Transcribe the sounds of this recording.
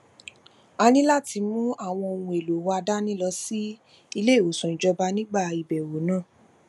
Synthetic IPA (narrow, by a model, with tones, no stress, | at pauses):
a˧nĩ˦la˦˨ti˧mũ˦a˦˨w̃ɔ̃˧o˨˧˨nũ˧e˨lo˨wa˧da˦nĩ˦lɔ˧˦si˦ | i˧le˦˨o˨sũ˨ĩ˨d͡ʒɔ˧ba˧˦nĩ˦ɡ͡ba˦˨i˨bɛ˨wo˨˦nãː˦˨